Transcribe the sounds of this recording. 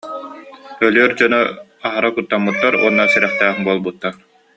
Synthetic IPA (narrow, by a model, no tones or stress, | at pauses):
œlyœɾd͡ʑɔnɔaɦaɾakut̪ːamːut̪ːaɾṵɔnːasiɾɛχt̪æːχbuɔlˠbut̪ːaɾ